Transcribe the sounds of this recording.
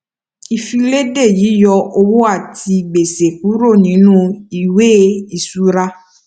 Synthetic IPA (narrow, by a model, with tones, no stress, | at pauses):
i˨fĩ˧le˦de˦˨ji˨˦jɔ˧o˧wo˦a˦˨tʰi˧ɡ͡be˨se˨k̚u˨˦ɾo˦˨nĩ˨˦nũ˦˧i˨we˦i˨su˨˦ɾa˧